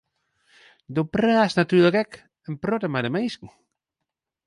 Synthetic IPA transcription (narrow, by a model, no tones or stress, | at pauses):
dopraːsnatyːləkɛk | ənprotəmadəmejskŋ̩